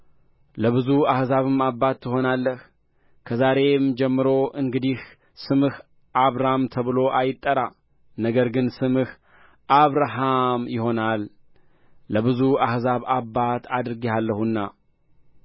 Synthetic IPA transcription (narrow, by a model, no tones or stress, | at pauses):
ləβɨzuahzaβɨmabːat̪ːɨho̞nalːəh | kʰəzaɾe̞md͡ʒɛmːɨɾo̞ʔɨŋɡɨd̪ih | sɨmɨh | ʔaβɾamt̪ʰəβɨlo̞ʔajɪt̪ʼːəɾa | nəɡəɾɡɨnsɨmɨh | ʔaβɾaɦamjɪho̞nalː | əβɨzuahzaβabːat̪ʰad̪ɨɾɨɡialːəhunːa